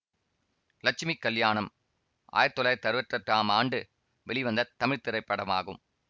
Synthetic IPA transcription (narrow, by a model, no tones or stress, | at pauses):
lɐk̚t͡ʃɪmikːɐljaːɳɐm | ʔa̰ːjɐt̪ːɔlɐːt̪ɐɾɯʋɐʈrɐʈraːmaːɳɖɯ | ʋɛɭɪʋɐnd̪ɐt̪ːɐmɪɻt̪ɪɾɐɪpːɐɽɐma̰ːɣɯm